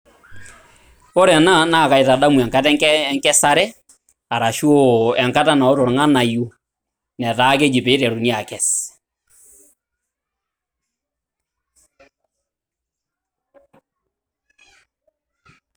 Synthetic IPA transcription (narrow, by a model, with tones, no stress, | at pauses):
ɔ˦ɾɛ˨na˦na˦˨ka˨i˨ta˨ɗa˦mu˨ɛ˨ŋka˦tɛ˦ŋkɛ˦ŋkɛ˦sa˦ɾɛ˦ | a˨ɾa˨ʃo˦ɛ˨ŋka˦ta˦na˨ɔ˦tɔ˨ɾŋa˦na˨ju˦ | nɛ˨ta˨˦ke˦d͡ʒi˨pe˨˦i˦ɾɛ˨ɾu˨ni˦a˨kɛ˨s